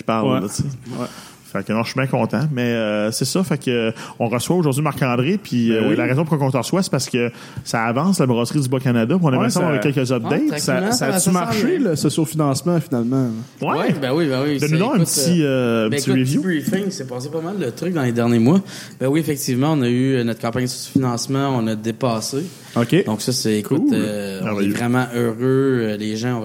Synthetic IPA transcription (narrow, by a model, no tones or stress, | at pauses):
kʲi̥paʁllt͡se | faknɔ̃ʃɥibɛ̃kɔ̃ːt̪ãmɛəsɛsʌfakəɔ̃ʁəswaoʒʊʁdzɥimaʁkɑ̃ːd̪ʁepʰiilaʁɛːzɔ̃p̬ʁkwakɔ̃t̪əʁəswase̥paʁsə̥kə | saːvɑ̃slabʁɑsʁid̪d͡zybokanad̪apʲiɔ̃nɛmɛsãavɛkːɛlkəzap̚d̪ɛjt̪sãsasmaʁʃelɔsəsylfinɑ̃ːsmãfinalmã | wɛwbɛwibɛwid̪ənud̪aɛ̃pt̪t͡siø̃ːpɛt͡siʁivjubifɪŋsɛpɑːsepamald̪ət̪ʁʏk̚d̪ɑ̃led̪ɛʁnjemwabɛwiefɛk̚t̪iːvmãɔ̃nʌyənɔt̪̚kɑ̃ːpaɲssy̥finɑ̃ːsmɑ̃ɔ̃nəd̪epɑːse | okʲed̪ɔ̃ksʌsɛkʰʊulmɛʁ̃vɛjøvʁɛmɑ̃ʔøʁøəleʒãɔ̃